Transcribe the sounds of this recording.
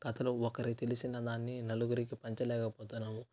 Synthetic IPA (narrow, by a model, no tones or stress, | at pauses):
ɡ̥ɐt̪ɐluɔkɐɾit̪elisinɐd̪aːnːinɐluɡuɾikipɐɲt͡ʃɐlɛːkɐpoːt̪unːɐmu